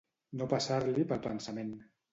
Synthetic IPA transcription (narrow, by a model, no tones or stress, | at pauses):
nopasaɾlipəlˠpənsamen